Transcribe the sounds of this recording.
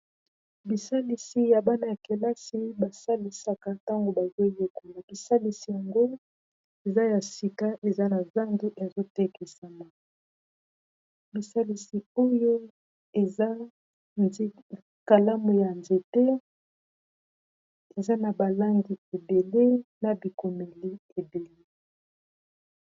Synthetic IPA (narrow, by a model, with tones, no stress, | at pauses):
bi˨sa˦li˨si˨ja˨ba˦na˨ja˨ke˨la˦si˦ba˨sa˦li˨sa˨ka˦ta˦ŋɡo˨ba˨ze˦je˦ku˦na˨bi˨sa˦li˨si˨ja˨ŋɡo˦ | e˨za˦ja˨si˨ka˦ʔe˨za˦na˨za˦ndu˦ʔe˨zo˦tɛ˦ki˨sa˨ma˨ | bi˨sa˦li˨si˨o˦jo˦ | e˨za˦ | ka˨la˦mo˨ja˨nze˨tɛ˦ | e˨za˦na˨ba˨la˦ŋɡi˨e˨be˨le˦na˨bi˨ko˨me˨li˦e˨be˨le˦